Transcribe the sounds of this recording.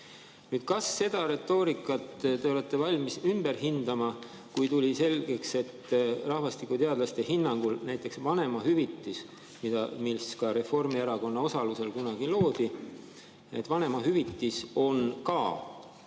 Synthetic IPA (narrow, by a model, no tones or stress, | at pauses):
nyːd̪̥kɑsːe̞d̪̥ɑɾe̞t̪ːˑo̞ːɾikːˑɑt̪t̪e̞o̞le̞t̪ːe̞vɑlʲmisymb̥e̞rɦind̪̥ɑmɑ | kujt̪ulʲise̞lɡ̥e̞kse̞t̪ːrɑhvɑst̪ikːut̪e̞ɑd̪lɑst̪ehinːɑŋɡ̥ulnæjt̪ˑːe̞ksvɑne̞mɑhyvit̪ˑːis | mid̪ɑ̰milskɑɾe̞fo̞rmieɾɑko̞nːɑo̞sɑluse̞lkunɑɡ̥ilo̞ːd̪̥i | et̪ːˑvɑne̞mɑɦyvit̪ˑːiso̞nkɑː